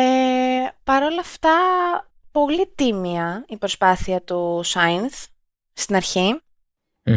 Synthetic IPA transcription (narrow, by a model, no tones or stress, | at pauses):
epɐɾo̞lɐft̪ɐ | po̞lit̪imiɐipɾo̞spɐθiɐt̪usɐjnθ | st̪inɐɾçi